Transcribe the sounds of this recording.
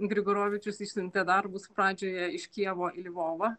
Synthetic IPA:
ɡɾʲɪɡoːɾoːʋʲɪt͡ʃʲʊsiʃʲsʲʊnʲt̪ʲeːd̪ɐrbʊspɾɑːd͡ʒʲoːjɛɪʃʲkʲiɛʋoːʔɪlʲʋoːʋɐ

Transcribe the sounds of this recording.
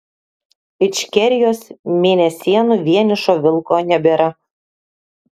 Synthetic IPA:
ɪt͡ʃʲkʲɛɾʲɪjoːsmʲeːnʲɛsʲiɛnʊʋʲiɛnʲɪʃoːʋʲɪlˠkoːnʲɛbʲeːɾɐ

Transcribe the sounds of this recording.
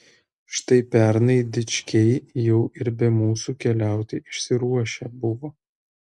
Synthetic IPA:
ʃɪ̥t̪ɐɪpʲæɾnɐɪd̪ʲɪt͡ʃʲkʲɛɪjɛʊɪɾbʲɛmuːsukʲɛlʲæˑʊt̪ʲɪʔɪʃʲsʲɪɾuɔʃʲɛbʊʋoː

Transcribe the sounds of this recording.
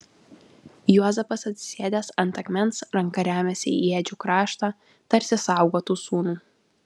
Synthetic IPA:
juɔzʲɛpɐsɐt̪ʲsʲɪ̥sʲeːd̪ʲɛsɐnt̪ɐkʲmʲɛnsɾɐŋkɐɾʲæːmʲɛsʲɪḭeːd͡ʒʲuːkɾɑːʃt̪ɑ | t̪ɐɾʲsʲɪsɑˑʊɡoːt̪uːsuːnuː

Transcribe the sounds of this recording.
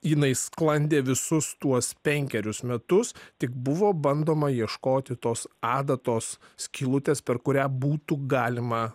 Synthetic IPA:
jɪnɐɪsklˠɐnʲd̪ʲeːʋʲɪsʊst̪uɔspʲɛŋʲkʲɛɾʲʊsmʲɛt̪ʊst̪ʲɪk̚bʊʋoːbɐnd̪oːmɐjiɛʃkoːt̪ʲɪt̪oːsɑːd̪ɐt̪oːssʲkʲiːlˠʊt̪ʲeːspʲɛɾkʊɾʲæːbuːt̪uɡɑːlʲɪmɐ

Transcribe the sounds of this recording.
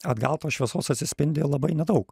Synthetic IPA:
ɐd̪ɡɐlˠt̪oːʃʲʋʲiɛsoːsɐt̪ʲsʲɪsʲpʲɪnʲd̪ʲeːlˠɐbɐɪnʲɛd̪ɐʊk

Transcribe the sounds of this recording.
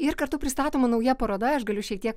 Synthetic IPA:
ɪɾkɐɾt̪ʊpʲɾʲɪst̪ɑːt̪oːmɐnɐʊjɛpɐɾoːd̪ɐɐʃɡɐlʲʊʃʲɛk̚t̪iɛk

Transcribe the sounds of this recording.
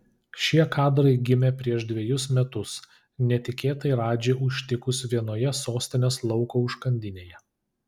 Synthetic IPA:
ʃʲiɛkɑːd̪ɾɐɪɡʲɪmʲepʲɾʲiɛʃd̪ʲʋʲɛjʊsmʲɛt̪ʊs | nʲɛt̪ʲɪkʲeːt̪ɐɪɾɑːd͡ʒʲeːʔʊʃʲt̪ʲɪkʊsʋʲiɛnoːjɛsoːsʲt̪ʲɪnʲeːslˠɒʊkoːʊʃkɐnʲd̪ʲɪnʲeːjɛ

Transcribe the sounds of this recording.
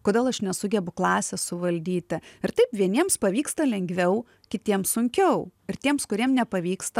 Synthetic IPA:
koːdʲeːlˠɐʃnʲɛsʊɡʲɛbʊklˠɑːsʲɛssʊʋɐlʲd̪ʲiːt̪ʲɪɪɾt̪ɐɪpʋʲiɛnʲiɛmspɐʋʲiːkst̪ɐlʲɛŋʲɡʋʲɛʊ | kʲɪt̪ʲiɛmsʊŋʲkʲɛʊɪɾt̪ʲiɛmskʊɾʲiɛmnʲɛpɐʋʲiːkst̪ɐ

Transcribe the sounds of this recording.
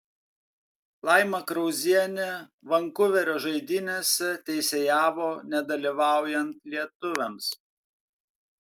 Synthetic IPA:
lˠɑˑɪmɐkɾɔʊzʲiɛnʲɛ | ʋɐŋkʊʋʲɛɾʲoːʒɐɪd̪ʲɪnʲɛsʲɛt̪ʲɛɪsʲeːjæːʋoːnʲɛd̪ɐlʲiʋɑˑʊjɛnt̪lʲiɛt̪ʊʋʲɛms

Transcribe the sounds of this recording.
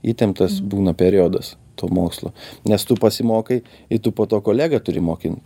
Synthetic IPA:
iːt̪ʲɛmt̪ɐsbuːnɐpʲɛɾʲɪjoːd̪ɐs | t̪oːmoːkslˠo̰ːnʲɛst̪ʊpɐsʲɪmoːkɐɪ | ɪt̪ʊpoːt̪oːkoːlʲæːɡɐt̪ʊɾʲɪmoːkʲɪnʲ

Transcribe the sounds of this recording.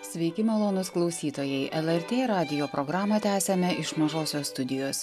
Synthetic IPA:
sʲʋʲɛɪkʲɪmɛlˠoːnʊsklˠɒʊsʲiːt̪oːjɛɪʔɛlʲˠɛɾʲt̪ʲeːɾɑːd̪ʲɪjoːpɾɔɡɾɑːmɐt̪ʲæːsʲɛmʲɛɪʃmɐʒoːsʲoːst̪ʊd̪ʲɪjoːs

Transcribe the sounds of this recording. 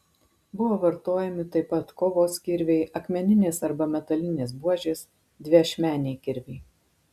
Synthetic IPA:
bʊʋoːʋɐɾt̪oːjɛmʲɪt̪ɐɪpɐt̪koːʋoːskʲɪɾʲʋʲɛɪʔɐkmʲɛnʲɪnʲeːsɐɾbɐmʲɛt̪ɐlʲɪnʲeːsbuɔʒʲeːs | d̪ʲʋʲiɐʃʲmʲæːnʲeɪkʲɪɾʲʋʲɛɪ

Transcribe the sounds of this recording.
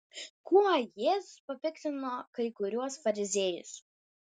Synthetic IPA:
kuɐjeːzʊspɐpʲɪkt̪ʲɪnoːkɐɪkʊɾʲuɔsfɐɾʲɪzʲejʊ̰s

